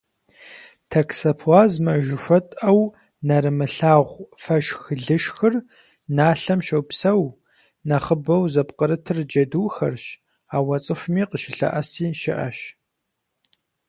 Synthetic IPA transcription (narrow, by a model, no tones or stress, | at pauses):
tʰɐkʰsɐpʰwaːzmɐʒɪʃʷɔtʼɐw | nɐɾɨmɨɬaːʁʷfɐʃxɮɨʃxɨr | naːɬɐmʃɐwpsɐw | nɐχəbɐwzɐpqəɾɨtʰɨrd͡ʒɐduːxɐrʃ | aːwɐt͡sʼɨxʷmiːqəʃɪɬɐ̰ʔɐsiːʃɪʔɐ̰ʃ